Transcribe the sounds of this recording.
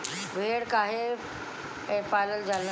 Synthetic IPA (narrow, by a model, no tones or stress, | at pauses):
bʱeːɽkaːɦe | ẽpaːləld͡ʒaːl